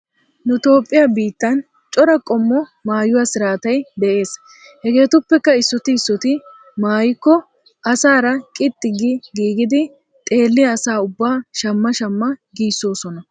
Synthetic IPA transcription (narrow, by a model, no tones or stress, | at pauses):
nʊt̪o̞ːpʼːɪjɐbiːt̪ːɐn | t͡ʃʼɔɾɐkʼɔmːɔmaːjʊwaːsɪɾaːt̪ɐjd̪ɛʔe̞ːs | hɛɡe̞ːt̪ʊpːɛkːɐɪsːɔt̪ɪːsːɔt̪ɪ | maːjɪkːɔ | ʔɐsaːɾɐkʼɪt̪ʼːɪɡɪɡiːɡɪd̪ɪ | t̪ʼe̞ːlːɪjɐːsaːʊbːaːʃɐmːɐʃɐmːɐɡiːsːo̞ːsɔnɐ